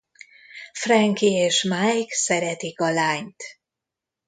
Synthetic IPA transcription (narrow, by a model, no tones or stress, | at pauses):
frɛŋkieːʃmajksɛɾɛt̪ikɒlaːɲt̪